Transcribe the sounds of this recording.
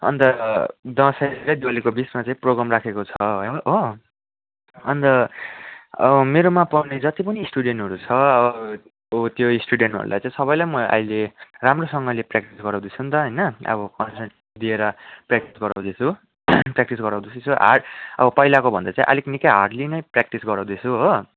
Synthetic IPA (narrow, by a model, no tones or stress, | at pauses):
ʌ̰nt̪ʌd̪ʌ̃sʌjɾʌjd̪ialikobismat͡sãĩproɡramrakʰekot͡sʰʌɦʌo | ʌnt̪ʌ | ʌʌmeɾomapʌwned͡zʌt̪ipʌniːsʈuɽeɳʈɦʌɾut͡sʰʌʌbʌ | ot̪joisʈuɖeɳʈɦʌ̰ɾṵla̰jt͡sãĩsʌβʌjlajmʌʔʌ̰ileramrosʌŋɡʌleprak̚ʈisɡʌɾãw̃d̪it͡sʰunt̪ʌɦʌjnʌʌ̰bʌkʌnseʈ | d̪ieɾʌprak̚ʈisɡʌɾaw̃d̪it͡sʰu | prak̚ʈisɡʌɾãw̃d̪it͡sʰit͡sʰuɦa̰ʌ̰bʌpʌjlakobʱʌnd̪at͡sãĩʔʌ̰liknikʌjɦaʈlinʌjprak̚ʈisɡʌɾãw̃d̪it͡sʰuɦo